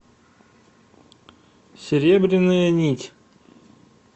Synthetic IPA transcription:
sʲeɾʲebɾʲɪnɨjɐnʲit̪ʲ

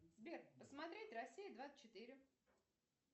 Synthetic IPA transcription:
z̥ʲbʲerpəsmɐt̪ɾʲetʲrɐsʲːijɪd̪vḁt͡ɕːɪt̪ɨɾʲɪ

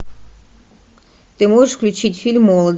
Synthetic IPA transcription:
t̪ɨmojəʂfklʲut͡ɕitʲfʲilʲmːɔlˠəd̪

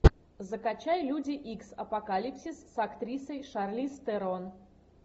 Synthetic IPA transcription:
zəkɐt͡ɕajlʲudʲɪʔiksɐ̰pɐkalʲipsʲisːɐkt̪ɾʲisəjʂarlʲist̪ɛɾon

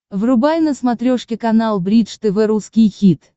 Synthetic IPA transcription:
vrʊbajnəsmɐt̪ɾʲoʂkʲɪkɐnalˠbɾʲit̪ʂt̪ɨvɛɾuskʲɪjxʲit̪

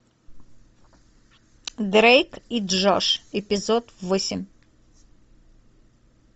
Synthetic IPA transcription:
d̪ɾejkiʐɔʂɪpʲɪzot̪vosʲɪmʲ

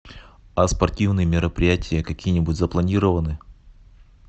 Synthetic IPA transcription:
ɐspɐrtʲivnɨjəmʲɪɾəpɾʲɪjætʲɪjəkɐkʲijənʲɪbutʲzəplˠɐnʲiɾəvənɨ

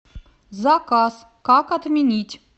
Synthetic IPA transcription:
zɑkɑs | kɑkɐt̪mʲenʲitʲ

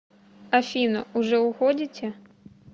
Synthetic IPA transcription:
ɐfʲinɐ̰uʐɛwxɔd͡zʲit͡sʲɛ

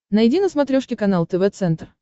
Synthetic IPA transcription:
nɐjdʲinəsmɐt̪ɾʲoʂkʲɪkɐnalˠt̪əvɛt̪sɛnt̪r

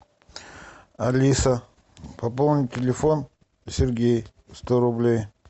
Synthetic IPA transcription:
ɐlʲisə | pɐpolˠnʲitʲɪlʲɪfon | sʲɪɾɡʲej | st̪oɾʊblʲej

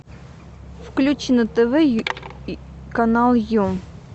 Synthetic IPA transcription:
fklʲut͡ɕɪnət̪ɛvɛ | kɐnalˠju

